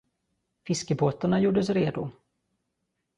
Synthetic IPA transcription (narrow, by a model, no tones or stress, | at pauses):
fɪskəpʰoːt̪aɳajuːɖəsɾeːd̪ʊ